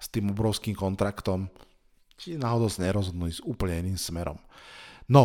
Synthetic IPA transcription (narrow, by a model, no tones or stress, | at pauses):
st̪iːmɔbɾɔʊskiːmkɔnt̪ɾakt̪ɔm | t͡ʃiɛnaːɦɔd̪ɔʊsaɲɛɾɔzɦɔd̪nulizuːpl̩ɲɛiniːmsmɛɾɔ̰mnɔ